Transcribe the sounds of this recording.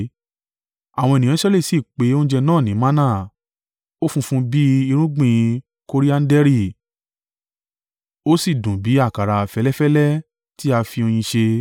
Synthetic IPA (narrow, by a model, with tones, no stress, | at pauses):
a˨w̃ɔ̃˧e˨nĩ˨jã˨˦ʃɛ˦le˦˨si˨k͡pe˨˦õ˦d͡ʒɛ˧nãː˦˨nĩ˨˦mã˦nã˦˨ | o˦fũ˧fũ˧bi˦i˧ɾ̃ũ˦ɡ͡bĩ˦˧ | ko˦ɾi˦a˦n̩˦dɛ˦ɾi˦˨ | o˦si˦˨dũ˨bi˨˦a˦˨ka˨ɾa˧˨fɛ˦lɛ˦fɛ˦lɛ˦ | ti˦a˧fi˧o˧j̃ĩ˧ʃe˧